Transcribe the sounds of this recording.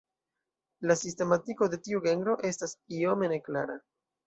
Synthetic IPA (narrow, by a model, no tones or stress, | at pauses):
lasiste̞matiko̞de̞tiuɡe̞ŋɡɾo̞ʔe̞stasio̞me̞ne̞klaɾa